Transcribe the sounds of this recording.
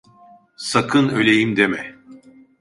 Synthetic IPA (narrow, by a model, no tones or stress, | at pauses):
sakʰɯnø̞lʲejimd̪emɛ